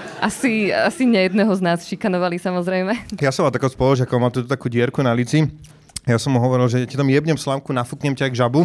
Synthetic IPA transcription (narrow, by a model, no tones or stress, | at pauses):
ʔasia̰siɲɛjɛd̪̚nɛɦɔznaːsʃikanɔʋalisamɔzɾɛjmɛjasɔ̃mʋalt̪akɔspɔlˠɔʒɪakɔʋmalt̪uːt̪ɔt̪akuːɟɪɛɾkunalit͡si | jasɔmːuɦɔʋɔɾilʒɛacit̪ɔmjɛbɲɛmslamkunafukɲɛmcaajɡʒabu